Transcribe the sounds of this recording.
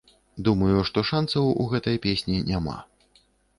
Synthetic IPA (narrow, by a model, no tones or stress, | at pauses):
d̪umɐjuʂt̪ɔʂansɐwṵɣɛt̪ɐjpʲesʲnʲinʲama̰